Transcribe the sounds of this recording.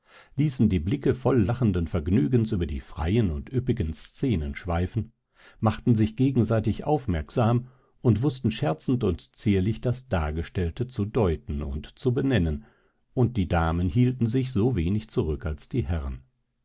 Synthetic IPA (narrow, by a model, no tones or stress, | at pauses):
liːsn̩diːblɪkəfɔlːaχn̩dənfɛɐɡnyːɡənsyːbɐdḭːfʁ̥a̰ɪənʊntʔʏpɪɡənst͡seːnənʃv̥aɪfn̩ | maχtn̩zɪçɡ̥eːɡŋ̩zaɪtɪçʔa̰ʊfmɛɐkz̥aːm | ʊntv̥ʊstn̩ʃɛɐt͡sn̩tʊntt͡siːɐlɪçd̥asd̥aːɡəʃtɛltət͡sudɔʏtn̩ʊ̰ntt͡subənɛnən | ʔʊnt̚d̥iːdaːmənhiːltn̩zɪçz̥oːveːnɪçt͡suʁʏkalsd̥iːhɛʁən